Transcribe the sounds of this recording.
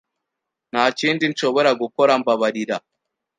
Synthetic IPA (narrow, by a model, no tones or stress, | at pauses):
naːt͡ʃindin̩t͡ʃoboɾaɡukoɾambaβaɾiɾa